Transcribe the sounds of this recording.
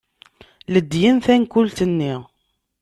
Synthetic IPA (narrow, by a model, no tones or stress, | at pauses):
ləd̪ːjənθænkʊlt̪ənːiʁ